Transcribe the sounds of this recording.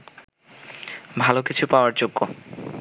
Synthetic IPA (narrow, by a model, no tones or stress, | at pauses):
bʱalokit͡ɕʰupaoaɾd͡ʑoɡːo